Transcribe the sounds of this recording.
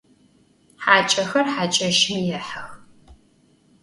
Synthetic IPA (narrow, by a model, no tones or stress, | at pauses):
ħaːt͡ʃʼɐxɐrħaːt͡ʃʼɐʃɪmjɛħɐx